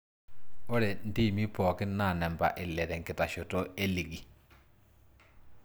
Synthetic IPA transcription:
o˦ɾe˨n˦di˦˨mi˦pɔː˨kɪ˦na˦˨nɛ˨mba̰˨ʔɪ˨lɛ˨ɾɛ˨ŋkɪ˨ta˨ʃo˨to˦e˦li˨ɡi˨

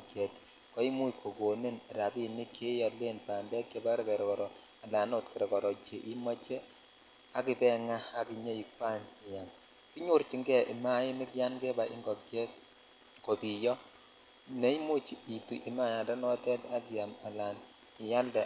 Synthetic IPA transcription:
kjɛ˨t | kɔ˦i˦mu˦ikʰo˨ko˨ne˦nɛ˨ɾa˨bi˦ni˦kʰe˦jɔ˨le˦npaː˨nbɛ˦t̚ke˦ba˦ɾke˨ɾkɔ˨ɾɔ˨ | a˨la˨no˦tkɛ˨ɾɛ˨kɔ˨ɾɔ˨t͡ʃe˨ʔi˦mɔ˦t͡ʃɛ˦ | a˦ki˦bɛ˦ŋa˦a˦ki˨ɲe˦i˨k̚wa˦nɪ˨ja˨n | ki˦ɲu˦ɾt͡ʃi˨ŋɡɛ˦˨i˨ma˦ɪ˦ni˦kja˦nke˦ba˨ʔɪ̰˦ŋɡɔ˨kjɛ˦t | ko˨bi˨jɔ˦ | ne˦i˦mu˦t͡ʃi˨i˨tu˨ʔi˨ma˦ja˨da˦nɔ˦tɛ˦ta˦ki˨a˨ma˨la˨n | ɪ˨ja˦ldɛ˨

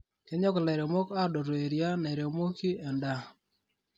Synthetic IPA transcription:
ke˦ɲɔ˦kɔ˨lɛ˨ɾe˨mo˦ka˦do˨ɾwe˨ɾja˦na˨ɾe˨mo˦ki˦ɛ˨nda˦

